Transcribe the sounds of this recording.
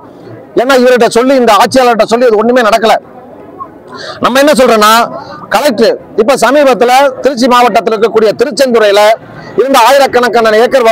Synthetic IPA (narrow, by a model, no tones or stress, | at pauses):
eːnːaːɪʋɐɾɯʈ̬ːɐsɔlːiɪnd̪ɐaːʈ̚t͡ʃːɪjaːlɐɾɯʈːɐsɔlːiɐðɯɔnːɯmeːnɐɽɐkːɐlɐ | nɐmːɐɛnːɐs̬ɔlɾɐːnːaːkɐlɐɪk̚ʈːɯ | ɪpːoːsɐmiːbɐt̪ːɪlɐt̪ɪɾɯt͡ʃːimaːʋɐʈːɐt̪ːɪlɾɯkːɐkːuːɽɪjɐt̪ɪɾɯt͡ʃːɐnt̪ʊɾɐjɪlɐ | ɪɾɯnd̪ɐaːjɪɾɐkːɐɳɐkːɐnːɐneːɾkːɐɾʋɐ